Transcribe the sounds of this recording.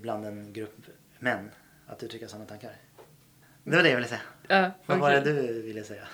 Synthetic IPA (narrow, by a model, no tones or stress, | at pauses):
bland̪ɛnɡɾɵpː | mɛnː | at̪̚d̪ɵt̪ʰɾʏkːəsɔnːt̪aŋkaɾ | d̪ɛʋaɖɛjavɪləsɛːfvɑɾɛd̪ʉvɪlːəsɛjːa